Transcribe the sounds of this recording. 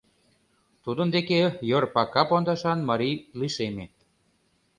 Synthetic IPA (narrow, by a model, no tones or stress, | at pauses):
t̪ud̪ənd̪ekejorpɑkɑpond̪ɑʃɑnmɑɾiliʃeme